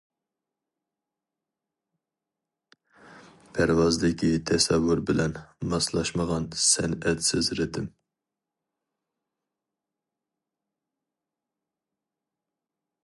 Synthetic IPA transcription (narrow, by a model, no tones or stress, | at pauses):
pʰæɾwɑzd̪ɪkʲʰit̪ʰɛsɛwːuɾbɪlɛnmɑslˠɑʃməʁɑnsɛnɛt̪sɪzɾɪd̪ɪm